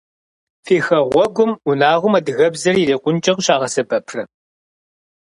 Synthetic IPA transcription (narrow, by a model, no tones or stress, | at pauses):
fiːxɐʁʷɔɡʷʊmʊnaːʁʷʊmɐdɨɣɐbzɐrireːqʷʊnt͡ʃʼɐʁɕaːʁɐsɐbɐpʰrɐ